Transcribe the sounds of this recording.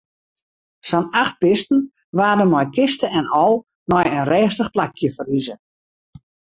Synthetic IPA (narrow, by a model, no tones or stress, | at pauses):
sɔnaχt̚bɪstn̩ | ʋaːdənmɔjkɪstəɛnɔlˠ | mɔjənrɛːstəχplakʰjəfərizə